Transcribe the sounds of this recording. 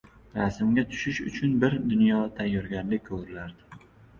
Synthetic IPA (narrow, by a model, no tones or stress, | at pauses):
ɾasmɡʲat̪ʰʊ̥ʃɪʃʊ̰t͡ʃʰʊnbɪɾd̪ʊnjɒat̪ʰajːɒɾɡʲanlɪkʲkʰɵɾɪlaɾd̪̥ɪ